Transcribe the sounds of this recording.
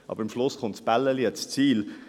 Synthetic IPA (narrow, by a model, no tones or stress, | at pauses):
ʔɑ̰b̥əɾɪmʃlʊsχʊntsb̥ælːəliɛst͡siːl